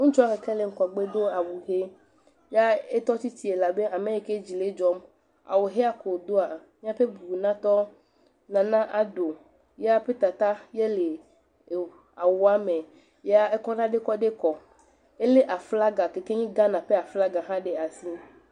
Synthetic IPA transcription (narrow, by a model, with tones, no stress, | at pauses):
ŋũ˦t͡ʃɔ˦a˦ke˨ke˦le˨ŋ̩˨ka˨ɡ͡be˦d̪o˦a˨wu˨ɦe˦ | ja˦e˦t̪ɔ˦t̪i˦t̪i˦e˨la˨be˦a˨mẽ˦je˦ke˦d͡ʑi˨le˦d͡ʒɔ˦m | a̰˨wo˨ɦe˦a˦ko˨d̪o˦a˨mĩ˦a˦ɸe˦bu˨nã˦t̪ɔ˦ | nã˨nã˦ʔa˨do˨ | je˦a˦ɸe˦t̪a˨t̪a˦je˦le˨ | a˨wo˨a˦me˨ | ja˦e˦kɔ˦n˦ã˦ɖe˦kɔ˦ɖe˦kɔ˨ | e˦le˦ʔa˨fla˦ɡa˨ke˨ke˦ɲĩ˦ɡa˦nã˨ɸe˦a˨fla˦ɡa˨ɦã˦ɖe˨a˨si˦